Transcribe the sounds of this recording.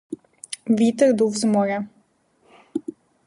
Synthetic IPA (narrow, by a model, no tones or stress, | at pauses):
vit̪əɾd̪uvzmɔɾʲa